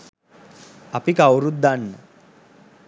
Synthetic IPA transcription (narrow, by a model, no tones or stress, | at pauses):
apikawɾut̪̚d̪anːə